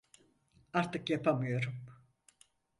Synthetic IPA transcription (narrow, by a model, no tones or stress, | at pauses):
aɾt̪ʰɯkjapʰamɯjo̞ɾum